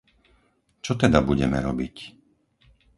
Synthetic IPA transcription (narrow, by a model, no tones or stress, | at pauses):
t͡ʃɔt̪ɛd̪abuɟɛmɛ̰ɾɔbic